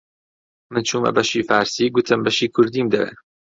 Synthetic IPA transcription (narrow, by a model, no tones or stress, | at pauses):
mɨnt͡ʃʰuːmɐ̰bɐʃiːfaːɾsiːɡʊt̪ʰɨmbɐʃiːkʰʊɾd̪iːmd̪ɐḛ